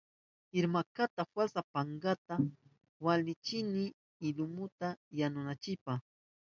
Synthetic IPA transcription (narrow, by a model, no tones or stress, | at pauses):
ɪɾmakat̪afwasapaŋɡat̪a | walɪt͡ʃɪnɪ | ɪlʊmʊt̪ajanʊnat͡ʃɪpa